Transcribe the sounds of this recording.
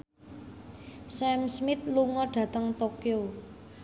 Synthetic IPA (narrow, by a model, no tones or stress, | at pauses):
sɛmsmɪt̪̚luŋɔɖ̥ä̤t̪əŋt̪okio